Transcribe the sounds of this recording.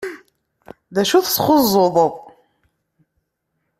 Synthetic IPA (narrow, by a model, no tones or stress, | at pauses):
ðæʃuθsχʊzˤːoðˤo